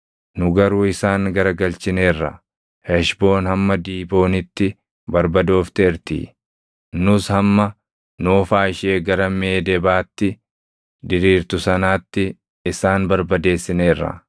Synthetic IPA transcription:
nʊɡɐɾuːɪsaːŋɡɐɾɐɡɐlt͡ʃɪne̞ːrːɐ̰ | hɛʃbo̞ːnhɐmːɐd̪iːbo̞ːnɪt̪ːɪ | bɐɾbɐd̪o̞ːft̪ɛɪɾt̪ḭː | nʊshɐmːɐ | noːfaːɪʃe̞ːɡɐɾɐmeːd̪ɛbaːt̪ːɪ | d̪ɪɾiːɾt̪ʊsɐnaːt̪ːɪ | ɪsaːnbɐɾbɐd̪e̞ːsːɪneːrːɐ̰

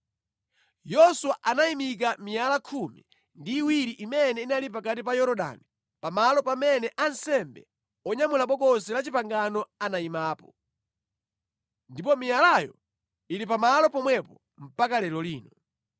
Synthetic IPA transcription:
jɔsuwaʔanaimik̬amijalakʰumḭ | ndiːwiɾiʔimɛnɛinalip̬ak̬atipajɔɾɔɗa̰ni | pamalɔpamɛnɛʔansɛmbɛ̰ | ɔɲamulaɓɔkɔsɛlat͡ʃipaŋɡanɔanaimaːpɔ | ndipɔmijalajɔ̰ | iɾipamalɔpɔmwɛpɔ | m̩pakalɛlɔliːnɔ

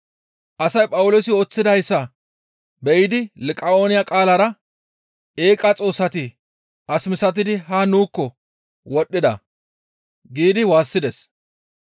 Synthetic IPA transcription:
ʔɐsɐjpʼɐwʊlosɪo̞ːt͡sːɪd̪ɐɪsːɐ | bɛjɪd̪ɪlɪkʼɐo̞ːnɪjakʼaːlɐɾɐ | eːkʼɐt͡sʼo̞ːsːɐt̪ɪ | ʔɐsmɪsɐt̪̬ɪd̪ɪɦaːnuːkːɔ | wɔɗːɪd̪ɐ̰ | ɡiːd̪ɪwaːsːɪd̪ɛs

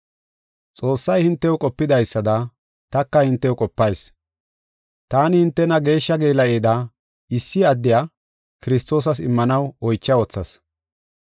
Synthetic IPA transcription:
t͡sʼo̞ːsːɐjhɪnt̪ːɛwkʼɔpːɪd̪ɐjsːɐd̪ɐ | t̪ɐkːɐhɪnt̪ːɛwʊkʼɔpːɐjs | t̪aːnɪhɪnt̪ːɛnɐɡe̞ːʃːɐɡe̞ːlɐeːd̪ɐ | ɪsːɪɐd̪ːɪjaː | kɪɾɪst̪o̞ːs̬ɐsɪmːɐnɐwɔjt͡ʃːɐɔt͡sːɐ̰s

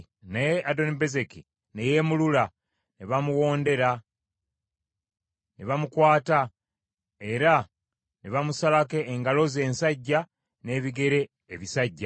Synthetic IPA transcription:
najeado̞nibe̞ze̞ki | neje̞mulula | neβamuwo̞ːnde̞ɾa | neβamukwaːta | e̞ɾa | neβamusalake̞ːŋɡalo̞ze̞ːnsaɟːa | ne̞ːβiɡe̞ɾe̞ː | βisaɟːa

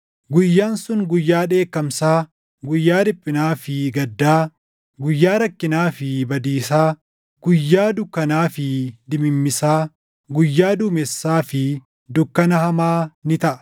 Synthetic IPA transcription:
ɡʊjːaːnsʊŋɡʊjːaːᶑe̞ːkːɐmsaː | ɡʊjːaːd̪ɪpʼːɪnaːfɪɡɐd̪ːaː | ɡʊjːaːɾɐkːɪnaːfɪbɐd̪iːsaː | ɡʊjːaːd̪ʊkːɐnaːfɪd̪ɪmɪmːɪsaː | ɡʊjːaːd̪uːmɛsːaːfɪ | d̪ʊkːɐnɐhɐmaːnɪt̪ɐʔɐ̥

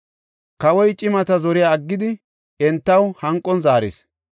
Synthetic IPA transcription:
kɐwɔjt͡ʃʼɪmɐt̪ɐzɔɾɪjaːɐɡːɪd̪ɪ | ɛnt̪ːɐwhɐŋkʼːɔnzaːɾɪ̰s

